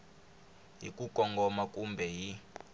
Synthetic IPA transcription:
ɦḭkʼukɔŋɡɔmakʼumbʱɛɦi

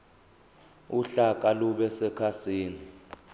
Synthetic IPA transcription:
uɬakʼaluɓɛsɛkʰasiːni

